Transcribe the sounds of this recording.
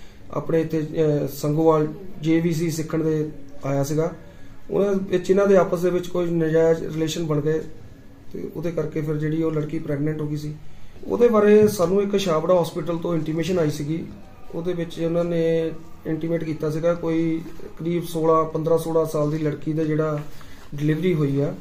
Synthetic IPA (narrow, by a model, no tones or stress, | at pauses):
a̰ːpɽeːɪt̪ʰːeːsəŋɡoːʋaːld͡ʒeːʋiːs̬iːsɪkʰːəɳd̪eːaːjaːsɪɡaː | ʊ̰nãːɪt͡ʃɪnãːd̪eːaːpəsd̪eːʋɪt͡ʃkoːinɪd͡ʒaːɾɪleːʃənbəɳɡəeː | t̪ḛːʊ̰d̪eːkəɾkeːpʰɪɾd͡ʒeːɽiːoːləɽkiːpɾɛːɡnɛ̃ːɳʈɦoːɡiːsiːo̰ːd̪eːbaːɾeːsaːnːũːɪkʃaːbɽaːɦɔːspɪʈəlt̪õːɪɳʈiːmeːʃənaːiːsiɡiː | o̰ːd̪eːbɪt͡ʃːʊnãːneːɪɳʈiːmeːʈkiːt̪aːs̬iɡaːkoːiːəkəɾiːbsoːlãːpənd̪ɾãːsoːɽãːsaːld̪iːləɽkiːd̪aːd͡ʒeːɽaːɖɪlɪʋɾiːɦoːiːɛː